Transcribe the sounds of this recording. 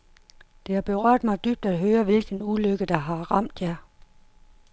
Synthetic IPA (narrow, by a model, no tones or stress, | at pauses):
d̥e̝hɑ̈b̥e̝ʁɶɐ̰d̥mɑ̈ɪd̥yb̥̚d̥ædɦøːɐʋe̝lɡ̥ən̩uløɡ̥əd̥ɑ̈ɦɑ̈ʁɑm̰d̥jɑ